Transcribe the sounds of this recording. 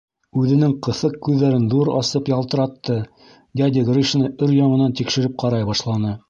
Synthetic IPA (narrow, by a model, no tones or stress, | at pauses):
ʉðɘ̆nɘŋqɤ̆θɤq̚kːʉðːæɾɘnðuɾɑ̰sɤpjɑlˠt̪ɤ̆ɾɑt̪ːɤ | ɡ̪ʲæd̪ʲɪɡriʃnɤʔɵɾjɑɴɤ̆nɑnt̪ikʃɘ̆ɾɘp̚qɑɾɑjbɑʃlˠɑnɤ